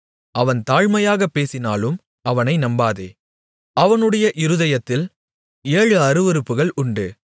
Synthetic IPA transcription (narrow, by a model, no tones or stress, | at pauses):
ʔɐʋɐnt̪aːɻmɐjaːɣɐpːeːsɪnaːlɯm | ɐʋɐnɐɪnɐmbaːðeː | ɐʋɐnɯɽɐjɐʔɪɾɯðɐjɐt̪ːɪl | eːɻɯɐɾɯʋɪɾɯpːɯɣɐɭʔʊɳɖɯ